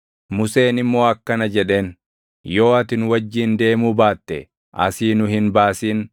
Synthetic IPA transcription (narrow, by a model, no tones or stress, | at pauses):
mʊse̞ːnɪmːo̞ːɐkːɐnɐd͡ʒɛᶑe̞ːn | jo̞ːɐt̪ɪnwɐd͡ʒːiːnd̪e̞ːmuːbaːt̪ːɛ | ʔɐ̰siːnʊɦɪnbaːsiːn